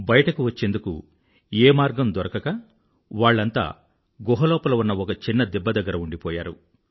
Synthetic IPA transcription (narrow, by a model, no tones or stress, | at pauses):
bɐjɐʈɐkuʋɐt͡ʃːe̞ːnd̪ukṵ | eːmaːɾɡɐmd̪ɔɾɐkɐkɐ | ʋaːɭːɐnt̪a̰ː | ɡɔɦɐlɔːpɐlɐunːɐɔkɐt͡ʃinːɐd̪ɛbːɐd̪ɐɡːɐɾɐuɳɖipɔːja̰ːɾṵ